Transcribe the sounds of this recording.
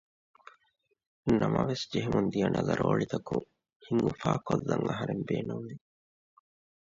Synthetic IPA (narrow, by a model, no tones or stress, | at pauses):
nɐmɐʋesd͡ʒeɦemʔund̪ijɐnɐlɐɾʔoːɭit̪ɐkuŋ | hiŋɡufaːkolːɐŋɐɦɐɾembeːnunʋi